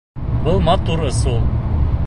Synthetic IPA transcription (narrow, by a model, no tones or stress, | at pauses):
bɤlˠmɑt̪uɾɤ̆sulˠ